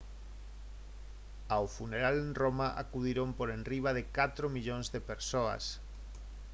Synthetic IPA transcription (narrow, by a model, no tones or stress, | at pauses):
awfuneɾalenromaʔa̰kuðiɾompoɾenriβ̞aðɪkat̪ɾomiʎoŋzðepeɾsoa̰s